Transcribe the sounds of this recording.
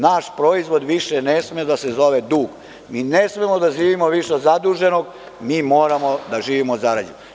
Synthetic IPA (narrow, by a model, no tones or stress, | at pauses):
naʃpɾo̞izʋo̞d̪ʋiʃenesmed̪asezo̞ʋed̪uːɡ | miːnesmemod̪aʒiːʋimoʋiʃezad̪uʒe̞no̞ɡ | miːmo̞ːɾamo̞d̪aʒiːʋimozaɾad͡ʑen